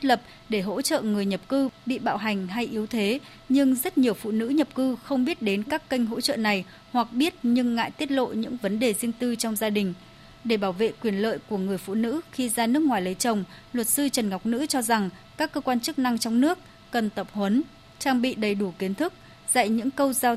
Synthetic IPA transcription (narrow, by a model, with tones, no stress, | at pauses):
t̪e˦˥t̚lə˨˩p̚ | ɗe˧˩ɦo̰˧˥t͡ɕə̰˧˨ŋɨ˨˩əjɲə˨˩p̚kɨ˧ɓḭ˧˨ɓa̰ː˧˨wɦa˨˩jŋ̟ɦa˧jʔi˨˦əwt̪ʰe˨˦ | ɲɨ˧ŋzə˦˥t̚ɲi˨˩əwfṵ˧˨nɨ̰˧˥ɲə˨˩p̚kɨ˧xə˧wŋ͡mɓi˦˥ət̚ɗe˨˦nkaː˦˥kːə˧jŋ̟ɦo̰˧˥t͡ɕə̰ː˧˨na˨˩j | hwa˨˩k̚ɓi˦˥ət̚ɲɨ˧ŋːa̰ː˧˨jt̪i˦˥ət̚lo̰˧˨ɲɨ̰˧˥ŋvə˨˦nɗe˨˩zi˧ənt̪ɨ˧t͡ɕɔ˧wŋ͡mzaː˧ɗï˨˩ŋ̟ | ɗe˧˩ɓaː˧˩wvḛ˧˨kwi˧˩ənlə̰ː˧˨jku˧˩əŋɨ˨˩əjfṵ˧˨nɨ̰˧˥xi˧zaː˧nɨ˦˥ək̚ŋwaː˨˩jlə˨˦jt͡ɕə˨˩wŋ͡m | lwə˨˩t̚sɨ˧t͡ɕə˨˩nŋa˨˩wk͡p̚nɨ̰˧˥t͡ɕɔ˧za˨˩ŋkaː˦˥kːəː˧kwaː˧nt͡ɕɨ˦˥k̚na˧ŋt͡ɕɔ˧wŋ͡mnɨ˦˥ək̚ːə˨˩nt̪ə˨˩p̚hwə˨˦n | t͡ɕaː˧ŋɓḭ˧˨ɗə˨˩jɗu˧˩ki˨˦nt̪ʰɨ˦˥k̚ | z̥a̰˧˨jɲɨ̰˧˥ŋkə˧wzaː˧